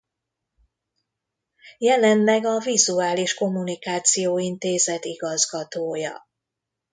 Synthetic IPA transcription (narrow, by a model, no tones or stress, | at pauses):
jɛlɛnlɛɡɒvizuaːliʃko̞mːunikaːt̪sijoːint̪eːzɛt̪iɡɒzɡɒt̪oːjɒ̰